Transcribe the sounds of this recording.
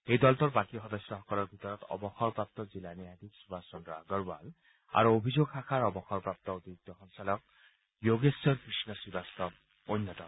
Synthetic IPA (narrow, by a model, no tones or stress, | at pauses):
ejd̪ɔltɔɾbakiɦɔd̪ɔsjɔɦɔkɔlɔɾbʱit̪ɔɾɔt̪ɔ̰bɔxɔɾpɹap̚t̪ɔzilaniɦad̪iksubʱasɔnɾa̰ɡɔɹba̰l | a̰ɾuobʱid͡ʒoɡxakʰaɾɔbɔxɔɾpɾap̚t̪ɔot̪iɾik̚t̪ɔɦɔnsalɔk̚ | joɡesjɔɾkɾisnɔsibast̪ɔ | ojnːɔt̪ɔn